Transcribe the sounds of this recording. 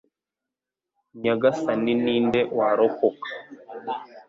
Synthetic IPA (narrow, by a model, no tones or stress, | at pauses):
ɲaɡasaniniːndewaɾokokḁ